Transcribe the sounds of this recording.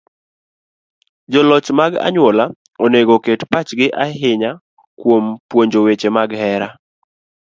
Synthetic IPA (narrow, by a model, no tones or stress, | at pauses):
d͡ʒɔlɔt͡ʃmaɡa̰ɲwɔla | ɔneɡoketpat͡ʃɡɪʔaɦɪɲa | kwompwoɲd͡ʒowet͡ʃemaɡhɛɾa